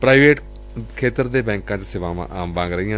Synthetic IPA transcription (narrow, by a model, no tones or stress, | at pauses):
pɾaːiʋeːʈ | kʰeːt̪əɾd̪eːbɛ̃ːŋkãːt͡ʃsɪʋãːã̰ʔaːmbãːŋɡɾəijãː